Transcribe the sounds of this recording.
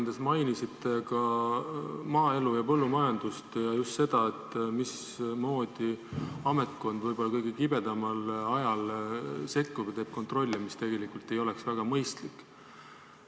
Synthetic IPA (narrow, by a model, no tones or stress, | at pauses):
nd̪̥esmɑjnisit̪ːˑe̞kɑ | mɑːe̞lujɑpɤ̞lːumɑjɑnd̪̥ust̪jɑjust̪se̞d̪̥ɑet̪ːˑmis | mo̞ːd̪̥iɑme̞t̪ko̞nd̪̥vɤjbo̞lːɑkɤjɡ̥ekibe̞d̪̥ɑmɑlɑjɑlse̞kːˑuv̥t̪eːb̥̚ko̞nt̪ro̞lʲːimist̪e̞ɡ̥e̞likːˑult̪ːe̞jo̞le̞ksvæɡ̥ɑmɤjst̪likːˑ